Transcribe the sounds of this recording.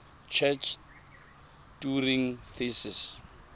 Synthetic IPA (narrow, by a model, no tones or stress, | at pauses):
t͡ʃʰɛt͡ʃʰ | d̥uɾĩŋθesis